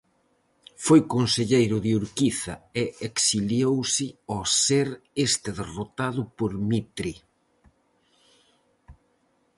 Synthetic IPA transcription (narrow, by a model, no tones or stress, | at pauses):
fojkonseʎejɾʊðɪuɾkiθɐeeksiljowsɪɔseɾest̪ɪðerot̪aðʊpoɾmit̪ɾi